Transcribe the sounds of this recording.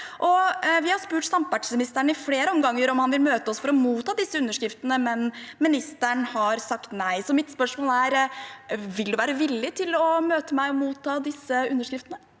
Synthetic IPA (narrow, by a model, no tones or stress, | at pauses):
ʔɔʋɪhɑspʉːʈsɑmpʋæʈsmɪnɪst̪æɳɪfleːɾəɔmɡɑŋːəɾɔmhɑnʋɪlmøːt̪əɔsfɔɾɔmuːt̪ʰːɑːd̪ɪsːəʉnːəʂkɾɪft̪ənəmɛnmɪnɪst̪æɳhɑɾsɑkt̪næɪsɔmɪt̪spœʂmoːlæɾ | ʋɪld̪ʉʋæːɾəʋɪlːɪt̪ʰɪlɔmøːt̪əmæɪɔmuːt̪ʰːɑːd̪ɪsːəʉnːəʂkɾɪft̪ənə